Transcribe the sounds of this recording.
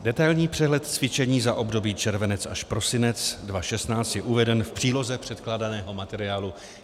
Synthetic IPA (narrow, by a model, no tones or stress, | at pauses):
dɛt̪ajlɲiːpr̥ɛɦlɛt̪t͡svɪt͡ʃɛɲiːzaʔo̞bdo̞biːt͡ʃɛɾvɛnɛt͡saʃpɾo̞sɪnɛt͡sdvaʃɛst̪naːt͡st̪jɛʔuvɛdɛnfpr̥iːlo̞zɛpr̥ɛt̪klaːdanɛːɦo̞mat̪ɛɾɪaːlu